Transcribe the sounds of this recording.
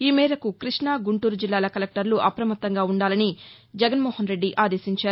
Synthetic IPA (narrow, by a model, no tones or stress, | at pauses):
iːmɛːɾɐkukɾiʂɳaːɡuɳʈuːɾud͡ʒilːaːlɐkɐlɐk̚ʈɐɾluʔɐpɾɐmɐt̪ːɐŋɡaːuɳɖaːlɐni | d͡ʒɛɡɐnmoːhɐnɾe̞ɖːiʔaːd̪e̞ːsiɲt͡ʃaːɾu